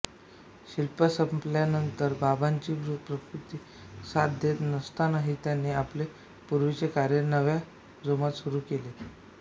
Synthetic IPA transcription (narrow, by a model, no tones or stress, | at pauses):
ɕilpəsəmpljanənt̪əɾbʱabaɲt͡ɕiːʋɾupɾəkɾut̪iː | sat̪̚d̪ʱet̪nəst̪anaɦit̪janːiːaple | puɾʋit͡sekaɾjəɾnəʋja | d͡zomat̪suɾuːkele